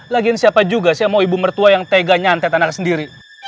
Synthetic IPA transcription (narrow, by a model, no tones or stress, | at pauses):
laɡinsiapad͡ʒuɡasiamauibumərt̪uajaŋt̪eɡaɲant̪ɛt̪anak̚səndiɾi